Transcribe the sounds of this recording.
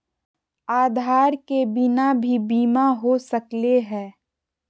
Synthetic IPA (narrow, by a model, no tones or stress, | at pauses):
aːd̪ʱaːɾkebɪnabʱibiːmaɦosəkleɦɛ̃ː